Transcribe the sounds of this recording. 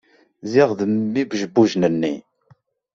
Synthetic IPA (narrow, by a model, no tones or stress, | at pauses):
ziʁðəmːibʒəbːuʒnənːi